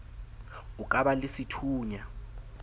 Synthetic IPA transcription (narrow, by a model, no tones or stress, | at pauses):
ukʼaɓalisitʰuːɲa